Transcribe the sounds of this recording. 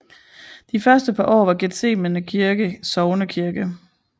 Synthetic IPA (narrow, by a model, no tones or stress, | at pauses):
d̥ifɶɐsd̥əpʰɑ̈ʔɒ̰ːʋɑ̈ɡ̥ed̥se̝̰ːmənəkʰiɐɡ̥əsɒʊnəkʰiɐɡ̥ə